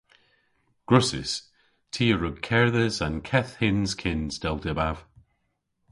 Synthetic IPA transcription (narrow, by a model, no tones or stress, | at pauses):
ɡ̥ɹʊsɪ̰s | tʰiːəɹʊɡ̚kʰɛɹðəzãnkʰɛθhɪnz̥kʰɪnz̥d̥ɛlˠdɪbav̥